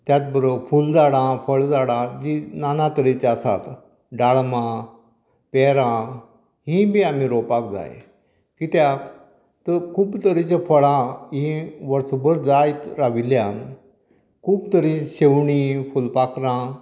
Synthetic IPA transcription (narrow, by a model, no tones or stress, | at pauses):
t̪jat͡s̪bəɾofuld͡zaɽãfəɭd͡zaɽãd͡ʑinanat̪əɾit͡ɕasa̰t̪ | ɖaɭmã | peɾã | ɦĩbiam̤iɾopak̚d͡za̰j̰ | kit̪ja | t̪əkʰuːbt̪əɾit͡ɕafəɭãɦĩʋəɾsbəɾd͡zajt̪ɾaʋiljãn | kʰuːbt̪əɾiɕewɳifulpakɾã